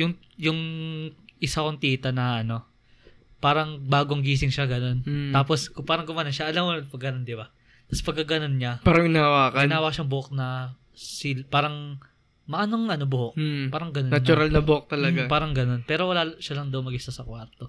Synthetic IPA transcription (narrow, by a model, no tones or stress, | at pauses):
jʊŋ | jʊŋ | ʔɪsakoŋt̪iːt̪ɐnɐʔɐno̞ | paːɾɐŋbaːɡoŋɡiːs̬ɪŋʃaɡɐno̞nt̪aːpo̞skʊpaːɾɐŋɡʊmaːnonʃaʔɐlamopɐɡɐnond̪ɪba | t̪ɐspɐɡ̚kːaɡɐno̞nɲapaːɾɐŋɪnaːwaːkɐɡɪnaːwɐkʃaɐŋbʊʔok̚nɐ | sɪlpaːɾɐŋ | mɐʔaːnoŋɐnobʊhoʔ̩̚paːɾɐŋɡɐnonɐt͡ʃʊɾalnɐbʊok̚t̪ɐlɐɡapaːɾɐŋɡɐno̞npɛːɾo̞wɐlaːʃalɐŋd̪ɐwmɐɡɪst̪asɐkwaɾt̪o̞